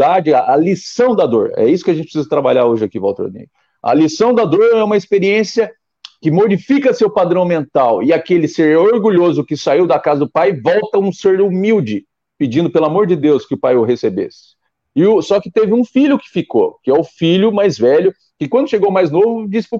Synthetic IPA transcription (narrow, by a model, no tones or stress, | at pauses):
ad͡ʒɪaʔɐlisɐ̃w̃d̪ɐd̪o̰ɾɛ̰isʊ̥kɪɐʒẽt͡ʃɪpɪsizɐt̪ɾabaʎaɾoʒɪakivɔ̰wt̪ḛɾnḛj | ɐ̰lisɐ̃w̃d̪ɐd̪oɾnɐ̃ɛũmɐispeɾiẽsiɐ | kɪmod͡ʒifikɐsewpad̪ɾɐ̃w̃mẽnt̪awɪakelɪseɾoɾɡuʎozʊkɪsaiwd̪ɐkazɐd̪ʊpajvɔwt̪ɐũseɾumiwd͡ʒɪ | pɪd͡ʒĩnd̪ʊpelʊamoɾd͡ʒɪd̪ewskɪʊpajʊɦesebḛsɪ̥ | ɪʊsɔkɪt̪evɪũfiʎʊkɪ̥fiko̰kɪɛʊfiʎʊmajzvɛʎʊ | kɪkwɐ̃nd̪ʊʃeɡowmajznovʊd͡ʒisɪ̥